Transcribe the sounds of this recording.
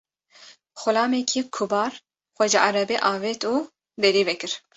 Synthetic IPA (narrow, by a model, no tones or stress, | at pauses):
xʊlɑːmɛkʰikʰubɑːɾ | xʷɛʒɛʔɑɾɛbeʔɑːvet̪uː | d̪ɛɾiːvɛkɨɾ